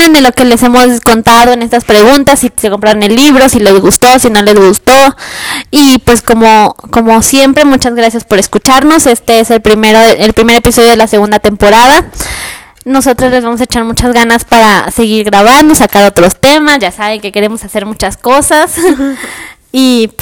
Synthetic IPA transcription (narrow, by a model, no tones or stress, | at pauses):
end̪eloke̞le̞se̞mo̞sko̞nt̪aðo̞ene̞st̪aspɾe̞ɣunt̪asːisekompɾaɾonelːiβɾo̞sile̞zɣust̪o̞sino̞le̞zɣust̪o̞ | ipwe̞sko̞moko̞mo̞sjempɾe̞mut͡ʃazɣɾas̬jaspo̞ɾeskut͡ʃaɾno̞se̞st̪eeselpɾimeɾoʔelpɾime̞ɾe̞piso̞ðjo̞ð̞elase̞ɣũnd̪at̪e̞mpo̞ɾað̞a | no̞so̞t̪ɾozle̞zβamo̞s̬aet͡ʃaɾmut͡ʃazɣanaspaɾase̞ɣiɾɣɾaβ̞and̪osakaɾo̞t̪ɾo̞st̪e̞masʝasaβeŋke̞ke̞ɾe̞mo̞sase̞ɾmut͡ʃasko̞sas | i